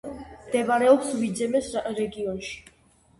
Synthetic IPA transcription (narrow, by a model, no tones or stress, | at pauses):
md̪̥ɛbaɾɛɔpsvid̪zɛmɛsɾɛɡiɔnʃi̥